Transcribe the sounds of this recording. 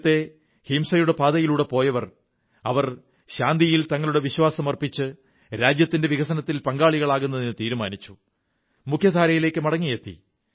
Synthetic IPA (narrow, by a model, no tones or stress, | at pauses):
t̪ːe̞ | himsɐjuɽe̞paːd̪ɐjiluɽe̞po̞ːjɐʋɐr | ɐʋɐr | ɕaːnd̪ijilt̪ɐŋːɐɭuɽeʋiɕwaːsɐmɐrpit͡ɕːɨ | ɾaːd͡ʑjɐt̪ːinde̞ʋiɣɐsɐnɐt̪ːilpɐŋɡaːɭiɣɐɭaːɣunːɐðinɨt̪iːɾumaːnit͡ɕːu | mukʰjɐd̪ʱaːɾɐjile̞ːkːɨmɐɽɐŋːijet̪ːḭ